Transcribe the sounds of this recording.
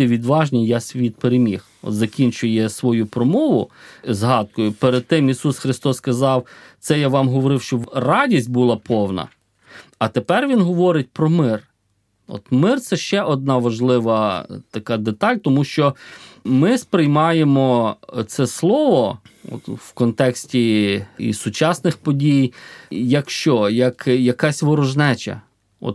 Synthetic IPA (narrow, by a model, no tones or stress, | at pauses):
iʋʲid̪ʋɑʒnʲijasʲʋʲit̪̚peɾemʲix | ɔ̰t̪zɐkʲinʲt͡ʃʊjɛsʋɔjupɾɔmɔʋʊzɦɑd̪̚kɔjʊpeɾed̪̚t̪ɪmisusxɾɪst̪ɔsːkɐzɑwt̪sɛjaʋɑmɦɔʋɔɾɪwʃt͡ʃɔrɑdʲisʲt̚ʲbulˠɐpʰɔwnɐ̰ | ɐt̪epɛrʋʲinɦɔʋɔɾɪt̚ʲpɾɔmɪr | ɔ̰t̪mɪrt̪sɛʃt͡ʃɛʔɔd̪̚nɑʋɐʒlˠɪʋɐt̪ɐkɑd̪et̪ɑlʲt̪ɔmuʃt͡ʃɔmɪspɾɪjmɑjemɔt̪sɛslˠɔʋɔɔ̰t̪wkɔnt̪ɛksʲtʲiḭsʊt͡ʃɑsnɪxpɔdʲijjɐkʃt͡ʃɔjɐkjɐkɑsʲʋɔɾɔʒnɛt͡ʃɐ̰ | ɔ̰t̪